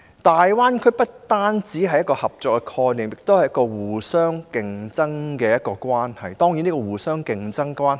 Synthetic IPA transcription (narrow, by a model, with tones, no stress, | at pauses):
t̪aː˨jwaː˥nkʰɵ˨˥pɐ˥t̚t̪aː˥nt͡siː˨˥ɦɐ˨jːɐ˥tkɔː˧hɐ˨p̚t͡sɔː˨˧kːɛ˧kʰɔː˧jniː˨˩mjɪ˨˩k̚t̪o˥whɐ˨jɐ˥kɔː˧wuː˨˩sœː˥ŋkɪ˨ŋt͡sɐ˥ŋkɛː˧jɐ˥t̚kɔː˧kʷwaː˥nhɐ˨˩jt̪ɔː˥ŋji˨˥niː˥kɔː˧wuː˨˩sœː˥ŋkɪ˨˧ŋt͡sɐ˥ŋkʷaː˥n